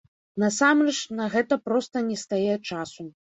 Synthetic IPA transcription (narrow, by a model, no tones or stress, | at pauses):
nɐsamrɛt͡ʂnɐɣɛt̪ɐpɾɔst̪ɐnʲɛst̪ajɛt͡ʂasu